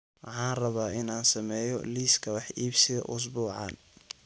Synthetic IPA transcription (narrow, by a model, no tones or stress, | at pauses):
wɑħɑːnrɐβaːʔɪnaːnsɐmɛːjɔ̰liːskʰɐwɑħiːbsɪðɐ̰ʔʊs̬buːʕɑ̰ːn